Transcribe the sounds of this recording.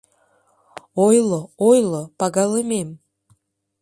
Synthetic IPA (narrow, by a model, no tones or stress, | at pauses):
ojloojlopɑɣɑlɨmem